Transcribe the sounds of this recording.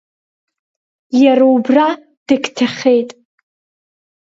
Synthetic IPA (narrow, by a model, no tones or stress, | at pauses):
jaɾaubra | d̥ɨkʲtʰaχʲejtʼ